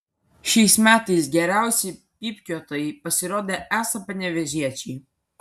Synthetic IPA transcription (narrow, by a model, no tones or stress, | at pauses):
ʃʲɛɪsmʲæːt̪ɐɪs̬ɡʲɛɾʲæˑʊsʲɛɪpʲiːpʲkʲut̪ɐɪpɐsʲɪɾoːd̪ʲeːʔæːsɐpɐnʲɛʋʲɛʒʲiɛt͡ʃʲɛɪ